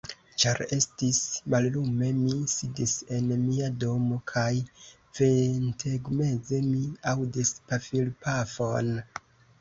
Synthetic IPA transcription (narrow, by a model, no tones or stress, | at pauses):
t͡ʃaɾe̞stismallume̞misidise̞nmiado̞mo̞kʰaj | ventʰe̞ɡme̞ze̞miawdispafilpafo̞n